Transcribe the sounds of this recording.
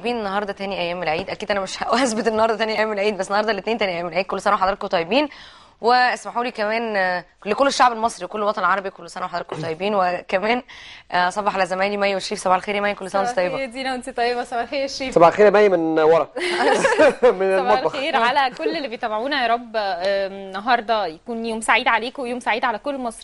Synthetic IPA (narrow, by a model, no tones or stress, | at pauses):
biːnenːɑɦɑːɾˤd̪ˤɑt̪æːniʔæjːæːmːelʕiːd̪ʔækiːd̪ʔænæmeʃhæʔuhæsbet̪ʔenːɑhɑɾˤd̪ɑt̪æːniʔæjæmːelʕiːd̪bæsːenɑhɑɾd̪ˤɑlːet̪neːnt̪æniʔæjːæmelʕid̪̚kolːsænæweħɑd̪ɾɑt̪kot̪ˤɑjːebiːn | weʔæsmaħuːliːkæmæːn | lekolːeʃːaʕbelmɑsˤɾiwekolːwɑt̪ˤɑnelʕɑɾˤɑbikolːosænæwħɑd̪ɾɑt̪kt̪ˤɑjːebiːnwekæmæːnʔɑsˤɑfːɑħʔælæzæmæːlimæjːæweʃːiːfsæbʕelxeːɾjmæjːækolːsænæʔent̪t̪ːˤɑjːebæd̪iːnæwent̪it̪ˤɑjːebæsæbʕalxeːjeʃːiːsæbʕaxeːɾjmæjːmenwɑɾˤɑ | menelɑxeːɾʕalækolːelːibejt̪æbaʕuːnæjɾˤɑbː | nːɑɦɑɾˤd̪ˤɑjækuːnjoːmsaʕiːd̪ʕaleːkwejoːmsaʕiːd̪ʕalækolːmɑsˤɾi